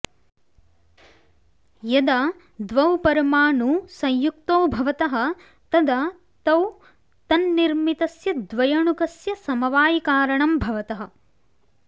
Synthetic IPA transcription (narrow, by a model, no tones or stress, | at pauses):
jɐd̪ɐ | d̪ʋɐwpɐɾɐmaːnusɐ̃jjukt̪oːbʱɐʋɐt̪ɐɦɐ̆ | t̪ɐd̪ɐ | t̪ɐw | t̪ɐnːiɾmit̪ɐsjɐd̪ʋɐjɐɳukɐsjɐsɐmɐʋaːjikaːɾɐɳɐmbʱɐʋɐt̪ɐɦɐ̆